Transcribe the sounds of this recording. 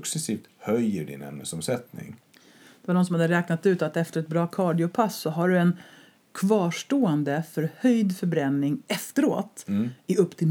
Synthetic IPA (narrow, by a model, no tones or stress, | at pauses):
ksɛsiːft̪hœjəɖɪ̰nɛ̰mnə̰sɔmsɛt̪nɪ̰ŋ | d̪̥ɛvaɖɔnsɔmhad̪ːəɾɛːknat̪ʉ̟ːt̪at̪ɛft̪əɾɛt̪̚bɾɑːkʰɑːɖɪʊpʰasːɔɦaɖɵɛn | kʰvɑːʂʈoːɛnd̪əfœɾhœjd̪fœɾbɾɛnːɪŋɛft̪əɾo̰ːt̪ɪɵpːt̪ʰɪl